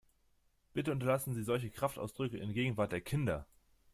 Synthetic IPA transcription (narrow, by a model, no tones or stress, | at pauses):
b̥ɪtəʊntɐlasn̩ziːzɔlç̬əkʁ̥aftʔa̰ʊsd̥ʁʏkəɪ̰nɡeːɡŋ̩vaɐt̚d̥eːɐkʰɪndɐ